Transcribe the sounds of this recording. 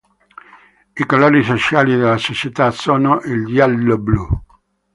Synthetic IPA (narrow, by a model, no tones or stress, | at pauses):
ikoloːɾisot͡ʃaːlid̪elːasot͡ʃet̪asoːnoʔiljalːoblu